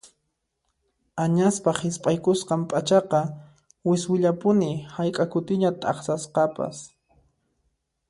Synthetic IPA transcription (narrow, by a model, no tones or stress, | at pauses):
aɲaspahɪspʼajkʊsqɑmpʼat͡ʃɑqɑ | wɪswɪʎapʊnɪhajkʼakʊt̪ɪɲat̪ʼɑ̰χsasqɑpa̰s